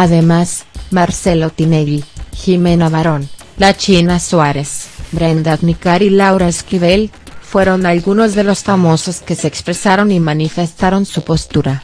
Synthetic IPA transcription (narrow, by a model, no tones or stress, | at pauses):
aðe̞masmaɾse̞lot̪ineʎiximenaβaɾon | lat͡ʃinaswaɾesbɾend̪aðnikaɾilawɾaskiβel | fwe̞ɾo̞nalɣuno̞zðe̞lo̞sfamo̞so̞ske̞seːkspɾe̞saɾo̞nimanife̞st̪aɾo̞nsupo̞st̪uɾa